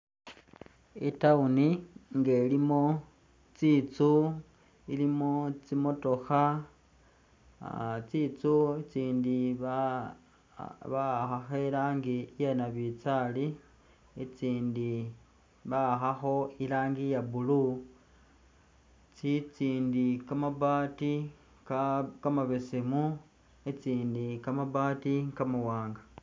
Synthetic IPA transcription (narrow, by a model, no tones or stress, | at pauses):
itauniŋɡelimo | t͡sit͡su | ilimot͡simoto̞xa | t͡sit͡suit͡siːndi | βaxaxelaːŋɡijenaβit͡sali | et͡siːndi | βaxaxo̞ilaːŋɡijaβulu | t͡sit͡siːndikamaβaːti | kkamaβesemu | et͡siːndikamaβaːtiŋkamuwaːŋɡa